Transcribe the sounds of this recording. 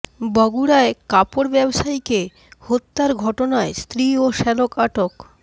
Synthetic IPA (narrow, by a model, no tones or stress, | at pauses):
bɔɡuɽaekapoɾbɛbʃajke | hot̪ːaɾɡʱɔʈonaest̪ɾioʃɛlokaʈok